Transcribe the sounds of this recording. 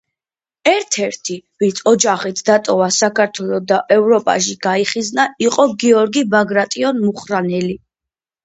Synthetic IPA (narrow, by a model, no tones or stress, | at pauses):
ɛɾt̪ʰɛɾt̪ʰivinsʰɔd͡ʒaχit̪ʰd̪at̪ʼɔvasakʰaɾt̪ʰwɛlˠɔd̪aʔɛvɾɔpʼa̰ʃiɡ̥aiχiznaiqʼɔɡiɔɾɡibaɡɾat̪ʼiɔnmuχɾanɛli